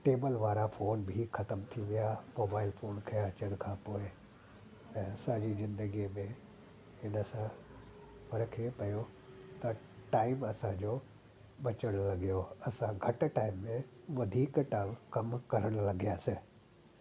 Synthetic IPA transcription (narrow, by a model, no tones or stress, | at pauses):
ʈeːbəlʋaːɾafoːnbʱixʰɐt̪əmt̪ʰiʋijamoːbaːɪlfʰoːnkʰeɐt͡ɕəɽ̃kʰãpoːɪ | ɛ̃ːɐsãd͡ʑizɪ̃nd̪əɡimẽ | ɦɪnəsã | pɐɾkʰepɐjo | t̪ɐ | ʈaːɪmɐsãd͡ʑo | ɓɐt͡ɕəɽ̃lɐɡijoɐsãɡʱɐʈ̆ʈaːɪmːẽ | ʋɐd̪ʱiːkʈaːɪmkɐmkɐɾəɽ̃lɐɡijaːse